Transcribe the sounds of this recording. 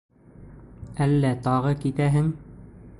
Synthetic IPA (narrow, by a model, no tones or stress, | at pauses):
ælːæt̪ɑʁɤkit̪æɦɘŋ